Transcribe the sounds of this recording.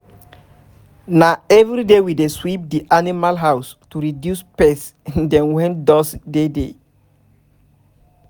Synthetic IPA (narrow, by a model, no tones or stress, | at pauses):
naɛvɹidewideswip̚diʔanimalɦaws | tuɹidjuspɛs | dɛ̃nwɛ̃ndɔsdede